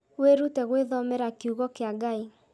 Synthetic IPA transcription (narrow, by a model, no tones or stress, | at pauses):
weɾutɛɣweðɔmɛɾakuɣɔkeaɡai